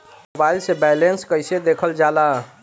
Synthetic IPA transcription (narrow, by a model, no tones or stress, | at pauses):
mobajilsebɛlenskəjsed̪ekʰəld͡ʒala